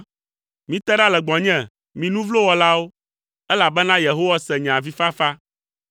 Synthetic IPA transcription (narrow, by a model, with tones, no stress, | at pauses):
mĩ˦t̪ɛ˦ɖa˦lɛ˨ɡ͡bɔ̃˨ɲɛ̃˦˨ | mĩ˨nũ˦vlo˦wɔ˨la˦wo˦ | ɛ˦la˨bɛ˦nã˦je˨ɦo˦wa˦sɛ˨ɲɛ̃˨a˨vi˦fa˦fa˦